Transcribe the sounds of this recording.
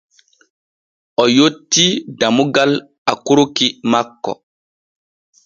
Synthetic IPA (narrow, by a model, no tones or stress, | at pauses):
ʔɔjotːidamuɡal | akuɾukimakːɔ̰